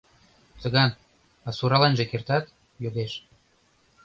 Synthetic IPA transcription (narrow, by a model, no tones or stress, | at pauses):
t͡s̪ə̆ɣɑn | ɑsuɾɑlɑnʒĕkert̪ɑt̪ | joɣeʃ